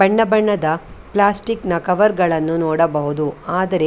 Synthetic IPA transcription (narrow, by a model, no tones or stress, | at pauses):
bɐɳːɐbɐɳːɐd̪ɐplaːsʈiknɐkɐʋɐɾɡɐɭɐnːunoːɽɐbɐɦud̪uaːd̪ɐɾe